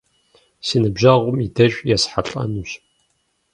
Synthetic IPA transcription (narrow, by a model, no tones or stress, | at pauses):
sinɨbʒɐʁʷʊmidɐɕʷʼjɛsħaɬʼɐ̰nuɕ